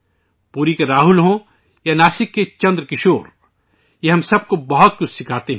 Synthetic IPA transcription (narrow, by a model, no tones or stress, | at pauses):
puːɾikeɾaːɦʊlɦõ | janaːsɪkːet͡ʃɐ̃nd̪ɾəkɪʃoːɾ | jeɦɐmsɐb̚kobɐɦɔt̪̚kʊt͡ʃʰsɪkʰaːt̪eɦɛ̃